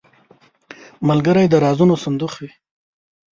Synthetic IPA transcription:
malɡəɾajd̪əɾɑzunosand̪uxwi

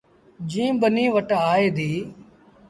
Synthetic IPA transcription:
d͡ʒĩːɓəniːʋəʈaːeːd̪ʱiː

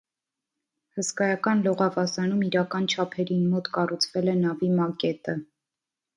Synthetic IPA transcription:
həskɑjɑkɑnlɔʁɑvɑsɑnumiɾɑkɑnt͡ʃʰɑpʰɛɾinmɔt̪kɑrut͡sʰvɛlɛnɑvimɑkɛt̪ə

